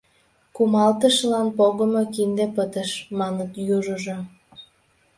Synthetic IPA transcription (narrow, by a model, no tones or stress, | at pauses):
kumɑlt̪əʃlɑnpoɣə̆mokind̪epət̪əʃmɑnət̪juʒəʒo